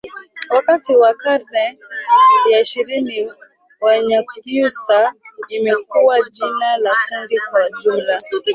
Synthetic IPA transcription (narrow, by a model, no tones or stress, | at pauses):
wakatiwakaɾnɛ | jaiʃiɾini | waɲabusaimɛk̚uwad͡ʒinalakundikwaʄumla